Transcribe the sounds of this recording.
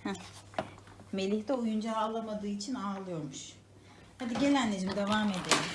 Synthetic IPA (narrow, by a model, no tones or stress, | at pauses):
hɛ | me̞lʲiçt̪ɛujund͡ʒaːlˠamad̪ɯːit͡ʃʰinaːlˠɯjo̞ɾmuʃ | had̪iɟe̞lʲænleɾimd̪evaːme̞d̪eɾim